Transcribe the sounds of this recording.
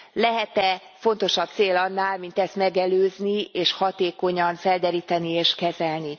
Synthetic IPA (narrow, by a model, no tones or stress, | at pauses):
lɛɦɛt̪ɛ | fo̞nt̪o̞ʃɒb̚t̪seːlɒnːaːlmint̪ɛst̪mɛɡɛløːznieːʃhɒt̪eːko̞ɲɒɱfɛld̪ɛɾiːt̪ɛnieːʃkɛzɛlni